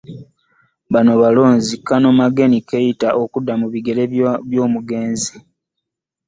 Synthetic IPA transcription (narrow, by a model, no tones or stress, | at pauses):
βanoβalo̞ːnzikːano̞maɡe̞nikejitaʔokudːamuβiɡe̞leβjo̞ːmuɡe̞ːnzi